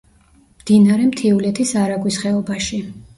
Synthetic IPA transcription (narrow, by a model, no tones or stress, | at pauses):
md̪̥inaɾɛmt̪ʰiulɛt̪ʰisaɾaɡwisχɛɔbaʃi